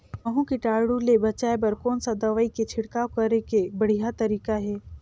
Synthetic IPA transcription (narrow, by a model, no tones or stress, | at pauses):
ɐɦũkiʈaːɽulebɐt͡ʃaːepɐɾkɔːnsad̪ɐʋaːiket͡ʃʰɪɽkaːokɐɾekebɐɽ̤ijat̪ɐɾiːkaɦɛː